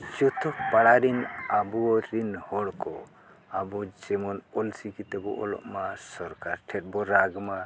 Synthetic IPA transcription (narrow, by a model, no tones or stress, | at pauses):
d͡ʒɔt̪ʰɔpaɽaɾinabuɔɾinhɔɽkɔ̰ | abɔd͡ʒɛmɔnɔlsikit̪ɛbɔʔɔ̰lɔ̰ʔmasɔɾkaɾʈʰɛt̚bɔɾaɡma